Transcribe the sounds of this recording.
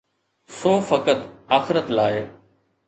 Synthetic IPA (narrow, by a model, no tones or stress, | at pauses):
soːfɐkət̪aːxɪɾət̪laːe